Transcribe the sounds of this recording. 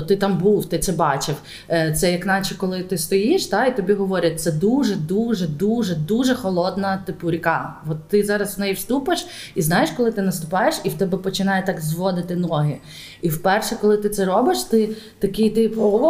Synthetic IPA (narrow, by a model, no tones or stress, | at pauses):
t̪ɪt̪ɑmbuwt̪ɪt̪sɛbɑt͡ʃɪw | t̪sɛjɐknɑt͡ʃɛkɔlˠɪt̪ɪst̪ɔjiʃt̪ɑit̪ɔbʲiɦɔʋɔɾʲɐt̪̚ʲt̪sɛd̪uʒɛd̪uʒɛd̪uʒɛd̪uʒɛxɔlˠɔd̪nɐt̪ɪpʊɾʲikɑʋɔt̪ːɪzɑɾɐsʋnɛjiwst̪upɪʃ | iznɑjeʃkɔlˠɪt̪ɪnɐst̪ʊpɑjeʃiwt̪ɛbɛpɔt͡ʃɪnɑjɛt̪ɑkzʋɔd̪ɪt̪ɪnɔɦɪ | iwpɛrʃɛkɔlˠɪt̪ɪt̪sɛɾɔbɪʃt̪ɪ | t̪ɐkʲɪjt̪ɪpɔ